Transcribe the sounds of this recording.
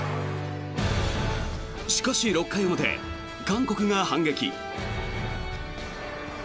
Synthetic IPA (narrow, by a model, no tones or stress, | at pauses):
ɕi̥kaɕiɾo̞kːajomot̪e̞̰ | ɡãŋko̞kɯ̟ŋahãŋɡe̞kʲḭ